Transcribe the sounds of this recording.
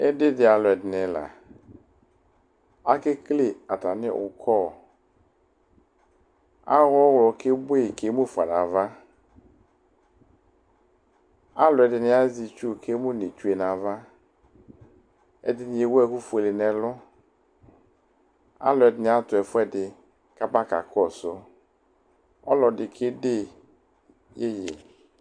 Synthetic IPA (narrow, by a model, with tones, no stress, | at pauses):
ɛ˦dɪ˦dɪ˨a˨lɔ˨ɛ˨dɪ˨nɛ̃˨la̰˨ | a˦ke˦kle˦a˨t̪a˨nɪ̰̃˦˨ʊ̰˨kʰɔ˦˨ | a̰˦ɣɔ˦wlɔ˨ke˦bo˦e˨ke˦mũ˦fa˨nã̰˨va˦ | a˦lʊ˨ɛ˨dɪ˨nɪ˨a˦zi˨t͡ʃu˦˨kʰe˦mʊ˦ne˨t͡ʃu˦e˨na˨va˦ | ɛ̰˨dɪ˨nɪ˨je˨wɛ˦ku˦fu˨e˨le˨nɛ˨lʊ˦ | a̰˦lʊ˨ɛ˨dɪ˨nɪ˨a˦tʊ˨ɛ˨fʊ˦ɛ˦dɪ˨ | ka˦ba˦ka̰˨kɔ˦˨sʊ˦ | ɔ˦lɔ˨dɪ˨kʰe˦de˦ | je˦jḛ˨